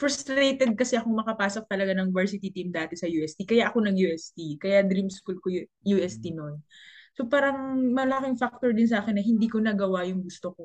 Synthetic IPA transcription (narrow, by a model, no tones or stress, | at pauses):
fɛst̪ɾejt̪ɛd̪̚kɐsɛʔɐkoŋmɐkɐpaːsok̚t̪ɐlɐɡanɐŋɪvɛɹsɪt̪it̪imd̪aːt̪ɛsɐjuːʔɛst̪ikɐjaʔɐko̞nɐɡjuʔɛst̪ikɐjad̪ɾimskulkoju | juːʔɛst̪inonso̞paːɾɐŋmɐlɐkɪŋfak̚t̪oɹd̪ɪns̬ɐʔaːkɛnːɐɦɪnd̪iːkonɐɡɐwajʊŋɡʊst̪oko